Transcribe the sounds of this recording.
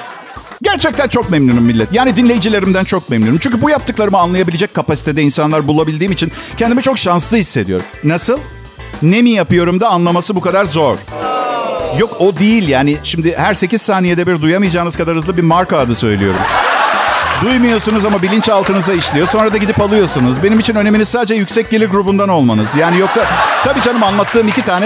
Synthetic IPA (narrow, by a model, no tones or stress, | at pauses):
ɟæɾt͡ʃʰɛc̚t̪ʰænt͡ʃʰo̞kmɛmnynymːilʲːɛt̪jaːnid̪inlʲe̞jid͡ʒilʲe̞ɾimd̪ænt͡ʃʰo̞k̚mɛmnunymt͡ʃʰyɲcʰybujap̚t̪ɯklˠaɾɯmɯanlˠajabilʲed͡ʒɛc̚kʰːapasi̥t̪ʰe̞d̪ɛinsanlˠaɾbulˠabilʲd̪iːmit͡ʃʰincʰɛnd̪imɛt͡ʃʰo̞kʃanslˠɯhisːe̞d̪ijo̞̰ɾumnasɯlˠ | ne̞mijapɯjo̞ɾumd̪aanlˠamasɯbukad̪aɾzo̞ɾ̥ | jo̞kod̪ejilʲjaːnɪʃimd̪ɪhæɾse̞ciz̥saːnijed̪ɛbiɾd̪ujamɯjd͡ʒaːɯnɯzkʰad̪aɾhɯzˠɯbimaɾkaːd̪ɯsø̞̰jlʲijo̞ɾuɾṵm | d̪ujmujo̞sunuzamabilʲint͡ʃalˠt̪ɯnɯzaiʃlʲijo̞so̞nɾad̪aɟid̪ipalˠɯjo̞sunuzbe̞nimit͡ʃʰinøne̞minizsaːd̪ed͡ʒɛjycsɛc̚ɟilʲiɾɡɾubund̪ano̞lˠmanɯzjaːnijoksat̪ʰabiːd͡ʒanɯmanlˠat̪ʰːɯːmicʰit̪ʰaːnɛ